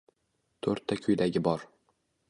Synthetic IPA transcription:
t̪ʰɵɾt̪ʰːakʲʰʊjd̪aɡʲɪbɒɾ

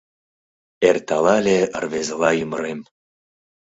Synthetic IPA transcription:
ert̪ɑlɑlʲeə̰rβezə̆lɑjyməɾem

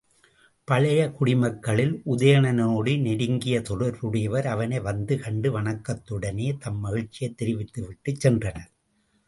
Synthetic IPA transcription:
pɐɭɐjɐkʊɽɪmɐkːɐɭɪlʔʊðɐjɐɳɐnoːɽɯnɛɽɪŋɡɪjɐt̪ɔɽɐɾʋɯɽɐjɐʋɐɾɐʋɐnɐɪʋɐnd̪ɯkɐɳɖɯʋɐɳɐkːɐt̪ːɯɽɐneːt̪ɐmːɐɣɪɻt͡ʃːɪjɐɪt̪ːɪɾɪʋɪt̪ːɯʋɪʈːɯt͡ʃsɛndrɐnɐɾ

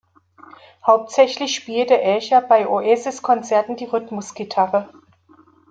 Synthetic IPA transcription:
haʊp̚tz̥ɛçlɪçʃpiːltəʔɛçɐbaɪʔoʔeːzɪskʰɔnt͡sɛɐtn̩diːʁʏtmʊsɡ̥itʰaʁə

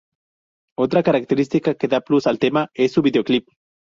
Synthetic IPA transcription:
ot̪ɾakaɾak̚t̪eɾist̪ikakeðaplusalt̪emaesːuβiðeoklip̚

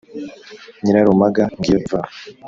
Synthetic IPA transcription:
ɲiɾaɾumaɡaŋɡiva

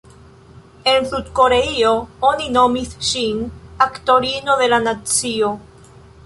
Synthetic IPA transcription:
e̞nsud̪ko̞ɾeio̞onino̞misʃinakto̞ɾino̞ðe̞lanat͡sio̞

